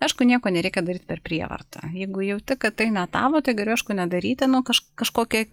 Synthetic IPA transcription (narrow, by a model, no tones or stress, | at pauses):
ɐɪʃkʊnʲiɛkoːnʲɛɾʲɛɪkʲɛd̪ɐɾʲiːt̪̚ʲpʲɛrpʲɾʲiɛ̰ʋɐ̰rt̪ɑjɛɪɡʊjɛʊt̪ʲɪkɐtt̪ɐɪnʲɛt̪ɑːʋoːt̪ɐɪɡɐlʲoʊɛɪʃkʊnʲɛd̪ɐɾʲiːt̪ʲɪnʊkɐʃkɐʃkoːkʲɛ